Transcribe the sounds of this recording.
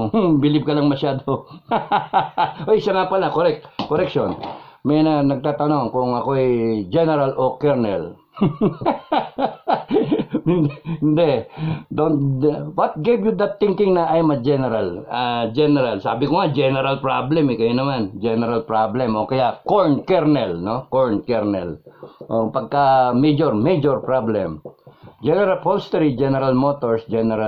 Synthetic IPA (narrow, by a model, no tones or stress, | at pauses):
bɪlɪb̚kɐlɐŋmɐʃjaːd̪o | ʔojsɐŋapɐlɐkoɾɛk̚t̪koɾɛkʃonmɐjnɐnɐɡ̚t̪aːt̪ɐno̞ŋkʊŋɐko̞ɛjd͡ʒɛnɛɾalʔokɛɹnɛ̰l | ɪnd̪hɪnd̪ɛd̪onwɐt̪̚ɡevjud̪ɐt̪θɪŋkɪŋnɐʔajmɐd͡ʒɛnɛɾalad͡ʒɛnɛɾalsa̰ːbɪkoŋad͡ʒɛnɛɾalpɹablɛmɪkɐjonɐmand͡ʒɛnɛɾalpɹablɛmʔokɐjakoɹnkɛɹnɛlnokoɹnkɛɹnɛ̰lʔopɐɡ̚kamɛjd͡ʒoɹmɛd͡ʒoɹpɹablɛmd͡ʒɛnɛɾɐlpolst̪ɛɾid͡ʒɛnɛɾalmot̪oɹsd͡ʒɛnɛɾa